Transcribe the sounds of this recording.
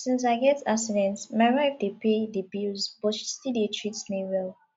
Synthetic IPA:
sĩns̬aɪɡɛta̰ksidɛ̃ntmaɪɹaɪfdepedəbilzb̥ɔʃi̥stidietʰɹitsnewɛl

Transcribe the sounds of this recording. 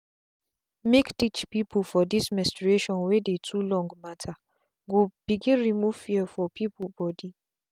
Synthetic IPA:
mektit͡ʃpipʰufɔdismɛ̃stɹeʃɔ̃nwedetʰulɔ̃ŋɡmatʰa | ɡob̥iɡiɹimufiɛfɔpʰipubɔdi

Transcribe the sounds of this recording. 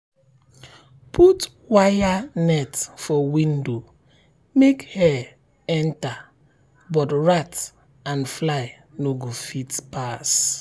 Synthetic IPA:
pʰut | wajanɛtfɔwĩndo | mekhɛ | ɛ̃nta | bɔtɹat | ãnflaɪ | noɡofitpas

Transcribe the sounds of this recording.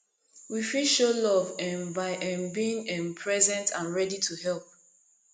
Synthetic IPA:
wifiʃolɔvɛ̃mbaɪʔɛ̃nbiĩŋɛ̃mpʰɹɛzɛ̃ntãnɹɛditʰuhɛlˠp̚

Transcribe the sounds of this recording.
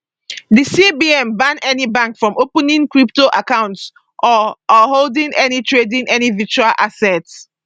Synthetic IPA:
disibiɛ̃mbãnɛnibãŋkfɹɔ̃mopə̃nĩŋkɹiptoʔakãʊ̃nts | ʔɔɔholdĩŋɛnitʰɹedĩŋʔɛnivit͡ʃualʔasɛts

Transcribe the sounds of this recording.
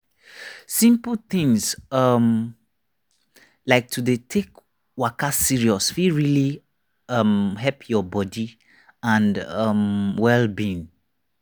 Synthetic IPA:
sĩmplθĩŋsʌm | laɪk̚tʰudetʰek | wakasiɹiɔsfiɹili | ʌmɦɛpʰjɔbɔdi | ãnʌmwɛlbĩn

